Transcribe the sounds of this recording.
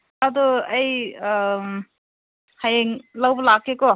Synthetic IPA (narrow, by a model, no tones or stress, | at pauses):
ad̪ɔɐj | hajeŋlawbɔlakːekɔ